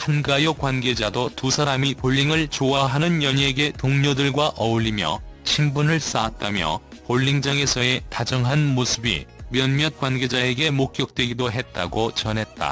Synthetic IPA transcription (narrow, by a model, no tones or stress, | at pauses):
hanɡajokwanɡe̞d͡ʑadotusʰaɾamipoʎːiŋɯɭt͡ɕoaɦanɯnjʌɲeɡe̞toŋɲodɯɭɡwaʔʌuʎːimjʌ̰t͡ɕʰimbunɯɭs͈aːt̚t͈amjʌ̰ | poɭːiŋd͡ʑaŋe̞sʰʌe̞tad͡ʑʌŋɦanmosʰɯbḭmjʌnmjʌt̚k͈wanɡe̞d͡ʑae̞ɡe̞mok̚k͈jʌk̚t͈we̞ɡidoɦe̞t̚t͈a̰ɡot͡ɕʌnɦe̞t̚t͈a̰